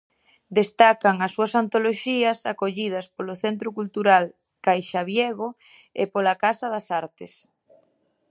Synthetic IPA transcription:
d̪est̪akɐŋɐsːuɐsant̪oloʃiɐsakoʎið̞ɐspoloθent̪ɾʊkult̪uɾal | kajʃaβjeɣ̞o | ḛpolakasɐðɐsaɾt̪es

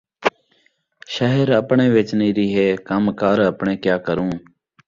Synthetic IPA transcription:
ʃaːɦɪɾəpɳeːʋeːt͡ʃniːɾiːɦeːkəmkaːɾəpɳẽːkjaːkəɾũː

